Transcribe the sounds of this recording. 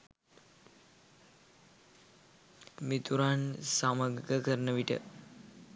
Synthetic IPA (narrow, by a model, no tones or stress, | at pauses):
mit̪uɾansaməɡəkəɾnəʋiʈə̰